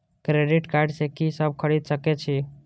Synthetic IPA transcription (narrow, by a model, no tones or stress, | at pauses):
kɾeɖɪʈkaɾɖsekisəb̚kʰəɽid̪səket͡ʃʰi